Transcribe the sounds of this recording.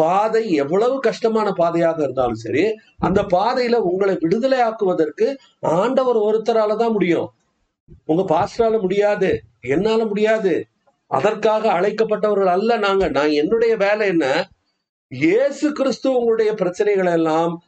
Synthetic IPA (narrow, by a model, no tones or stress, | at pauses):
paːðɐɪɛʋːɐɭɐʋɯkɐʂʈɐmaːnɐpaːðɐjaːɣɐɪɾɯnd̪aːlɯ̰̃sɐ̰ɾi | ɐnd̪ɐpaːðɐjɪlɐʊŋɡɐɭɐɪʋɪɽɯðɐlɐɪaːkɯʋɐðɐrkɯ | aːɳɖɐʋɐɾɔɾɯt̪ːɐɾaːlɐt̪ãːmʊɽɪjʊ̰̃ː | ʊŋɡɐpaːsɾaːlɐmʊɽɪjaːðɯɛnːaːlɐmʊɽɪjaːðɯ | ʔɐ̰ðɐrkaːɣɐːɭɐɪkːɐp̬ːɐʈːɐʋɐɾɣɐɭɐlːɐnaːŋɡɐnãːɛnːɯɽɐjɐʋeːlɐɛnːɐ | jeːsɯkɪɾɪst̪ɯʊŋɡɐɭɯɽɐjɐpɪɾɐt͡ʃːɐnɐɪɣɐɭɛlːaːm